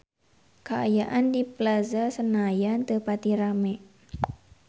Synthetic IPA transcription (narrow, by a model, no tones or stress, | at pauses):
kəa̰jaʔandiplazasənajant̪əpat̪iɾamɛʔ